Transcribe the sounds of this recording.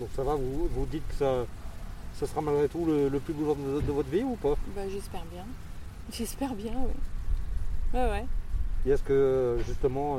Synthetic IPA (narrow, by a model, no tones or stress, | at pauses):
d̪ɔ̃ksavavuvud̪it̪̚kə̥sa | sasəʁamalɡʁet̪ulələplybulɔ̃d̪əod̪əvɔt̪χviupabaʒɛspɛʁbjɛ̃ | ʒɛspɛʁbjɛ̃wɛ̰ | wɛwɛkʲiɛsə̥kəʒyst̪əmɑ̃